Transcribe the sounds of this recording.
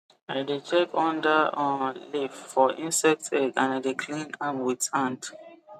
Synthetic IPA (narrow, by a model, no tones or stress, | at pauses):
aɪdet͡ʃɛkʰɔ̃ndaɔ̃liffɔʔĩnsɛk̚tʰɛɡãnaɪdekʰlĩnamwitãnt